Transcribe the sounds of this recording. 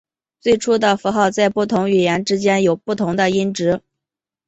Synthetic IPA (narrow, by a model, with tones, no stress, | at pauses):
t͡swe˥˩ɪʈ͡ʂʰu˥d̪ə˨fu˧˥xɑ˥˧ʊt͡sa˥˧ɪpu˥˩t̪ʰʊ˧˥ŋy˨˩jɛ˧˥nʈ͡ʂɻ̩˥t͡ɕjɛ˥njo˨˩ʊpu˥˩t̪ʰʊ˧˥ŋd̪ə˧i˥nʈ͡ʂɻ̩˧˥